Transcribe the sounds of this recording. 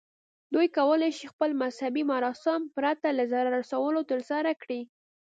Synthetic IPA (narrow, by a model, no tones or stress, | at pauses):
d̪ujkawəlajʃixpəlmashabimaɾɑsɪmpɾat̪alazaɾaɾasawəlot̪əɾsɑɾakɽi